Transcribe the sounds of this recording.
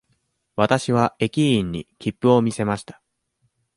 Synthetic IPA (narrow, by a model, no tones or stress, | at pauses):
βat̪aɕiβae̞kʲiĩɲ̟ːḭkʲipːɯ̟o̞mʲise̞maɕi̥t̪ḁ